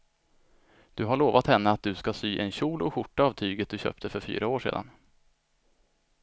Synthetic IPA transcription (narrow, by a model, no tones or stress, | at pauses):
d̪̥ɵɦaɭoːvat̪hɛnːəat̪̚d̪ɵskasyːʔɛnɕuːlɔɧʊʈːaːvt̪ʰyːɡət̪̚d̪ɵɕœ̰ːp̚t̪əfœɾfy̰ːɾaoːʂḛːd̪a̰n